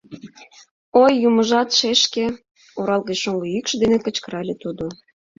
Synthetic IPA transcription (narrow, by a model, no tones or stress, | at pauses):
ojːuməʒɑt̪ʃeʃke | oɾɑlˠɣət͡ɕʃoŋɡoykʃəd̪enekə̆t͡ɕkə̆ɾɑlʲet̪ud̪o